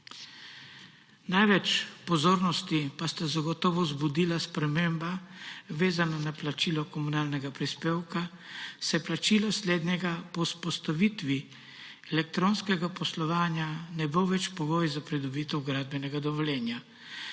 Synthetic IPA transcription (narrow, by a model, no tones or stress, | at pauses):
najʋɛt͡ʃpɔzoːɾnɔst̪ipast̪azaɡɔt̪ɔːʋɔzbud̪iːlaspɾɛmeːmbaʋeːzananaplat͡ʃiːlɔkɔmunaːlnɛɡapɾispeːwka | sɛjɛplat͡ʃiːlɔsleːd̪nʲɛɡapɔspɔst̪aʋiːt̪ʋi | ɛlɛk̚t̪ɾoːnskɛɡapɔslɔʋaːnjanɛboʋɛt͡ʃpɔɡoːjzapɾɛd̪ɔbiːt̪ɛwɡɾaːd̪̚bɛnɛɡad̪ɔʋɔljɛːnja